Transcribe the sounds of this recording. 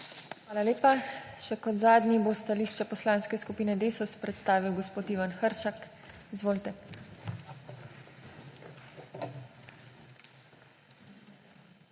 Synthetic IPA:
xʋaːlaleːpa | ʃɛkɔd̪zaːd̪nibost̪aliʃt͡ʃɛpɔslãːnskɛskupiːnɛd̪eːsɔspɾɛt̪st̪aːʋiwɡɔspoːt̪iːʋanxəɾʃak | izʋoːlt̪ɛ

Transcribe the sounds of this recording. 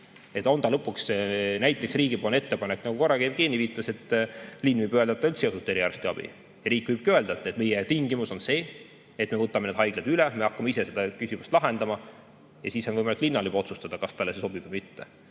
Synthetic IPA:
e̞t̪ːˑo̞nd̪ɑlɤ̞pːˑuksnæjt̪ːˑe̞ksriːɡipoːlnet̪ːe̞pɑnekːnɑɡ̥uko̞rːɑkebkiːnʲːiviːt̪ːˑɑse̞t̪ːˑlinːvɨjbøeld̪ɑt̪ːɑylt̪sesut̪ːˑe̞ɾiɑrst̪iɑb̥ḭ | jɑɾiːkːˑvɯjb̥̚køeld̪ɑt̪ːˑɑet̪me̞jɛt̪iŋɡimuso̞nse̞ː | et̪me̞vɤt̪ːˑɑmened̪̥ɦɑjɡ̥led̪̥ylɛme̞ɑkːˑɑmeisesed̪ɑkysimust̪lɑɦe̞nd̪̥ɑmɑ | jɑsiːsonvɤjmɑliklinːɑlibɑo̞t̪sust̪ɑd̪̥ɑkɑst̪ɑlːeseso̞b̥ivɨmit̪ːe

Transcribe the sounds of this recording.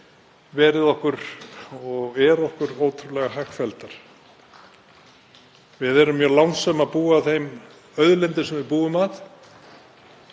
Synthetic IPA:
vɛːɾɪðɔhkʏɾɔɣɛɾɔhkʏɾoːwt̪ʰɾʏlɛɣaɦakfɛlt̪aɾ̥ | vɪðɛɾʏmːjœːlawnsɛmaðpuːaθejm | œðlɛnt̪ɪsɛmvɪðpuːʏmað

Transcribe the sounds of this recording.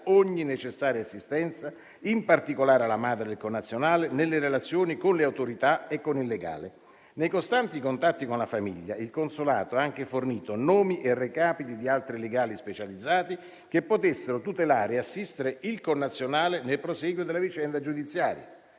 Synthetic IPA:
oɲːinet͡ʃesːaːɾjaasːist̪ɛnt̪sa | impart̪ikolaːɾalːamaːd̪ɾed̪elkonːat̪sːjonaːlenelːeɾelat̪sːjoːnikonleawt̪oɾit̪aekːonilːeɡa̰ːle | nejkost̪ant̪ikont̪at̪ːikonlafamḭʎːa̰ilkonsola̰ːt̪oɛaŋk̟eforniːt̪onɔːmiʔerːekaːpit̪id̪ialt̪ɾileɡaːlispet͡ʃalid̪zːaːt̪i | kepːot̪esːeɾot̪ut̪elaːɾeasːist̪eɾeʔilkonːat̪sːjonaːlenelpɾosɛɡwjod̪elːavit͡ʃɛnd̪ad͡ʒud̪it̪sːjaːɾja̰

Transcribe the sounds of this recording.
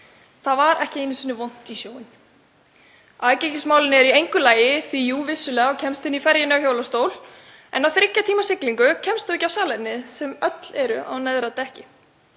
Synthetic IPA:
θaðvaɾɛhcɪɪnːɪsiːnːʏvɔn̥t̪isjoːwɪn̥ | aːðcɪcɪsmaːwlɪnɪɛɾiejŋkʏlaːjɪθvijuːvɪsːʏlɛːɣaɔwcʰɛmst̪ɪnɪifɛɾjɪnɪawçjowlast̪oːwl | ɛ̰nawθɾɪcːat̪ʰiːmasɪkliŋkʏcʰɛmst̪ʏɛcːawsaːlɛnːɪðsɛmœt̪lɛɾʏ̰ʔa̰wnɛðɾat̪ɛhcɪ

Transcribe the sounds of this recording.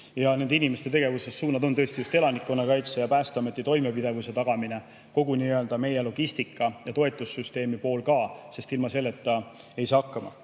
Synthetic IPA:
jɑne̞nd̪einimest̪e̞t̪e̞ɡ̥e̞vuse̞sːuːnɑd̪o̞nt̪ɤ̞est̪ijust̪e̞lɑnikːˑo̞nːɑkɑjt̪sejɑpæːst̪ɑme̞t̪ːˑit̪o̞jme̞pid̪e̞vuse̞t̪ɑɡ̥ɑmine̞ | ko̞ɡuniøld̪ɑme̞je̞lo̞ɡ̥ist̪ikːˑɑjɑt̪o̞e̞t̪ːˑusːyst̪e̞ːmipo̞ːlkɑːse̞st̪ilmɑse̞lːe̞t̪ːɑ | e̞jsɑːɑkːɑmɑ̰

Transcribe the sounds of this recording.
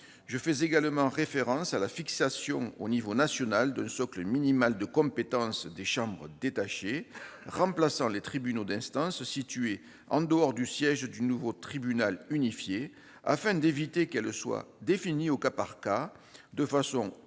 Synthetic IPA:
ʒəfɛzeɡalmɑ̃ʁefeʁɑ̃salafiksasjɔ̃onivonasjɔnald̪ɛ̃sɔkləminimald̪əkɔ̃pet̪ɑ̃sd̪eʃɑ̃bʁəd̪et̪aʃeʁɑ̃plasɑ̃let̪χibynod̪ɛ̃st̪ɑ̃ssit̪ɥe | ɑ̰̃d̪əɔʁd̪ysjɛʒd̪ynuvot̪χibynalynifje | a̰fɛ̃d̪evit̪ekɛlswa̰d̪efiniokapaʁka | d̪əfasɔ̃

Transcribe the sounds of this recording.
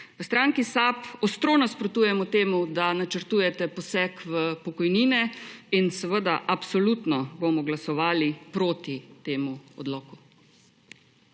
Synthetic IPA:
ʋəst̪ɾaːŋkisapɔst̪ɾoːnaspɾot̪uːjɛmɔt̪eːmud̪anat͡ʃəɾt̪ujɛt̪ɛpɔsɛkʋəpɔkɔjniːnɛinsɛʋəd̪aʔapsɔlut̪nɔbomɔɡlasɔʋaːlipɾoːt̪it̪eːmuɔ̰d̪lɔːku

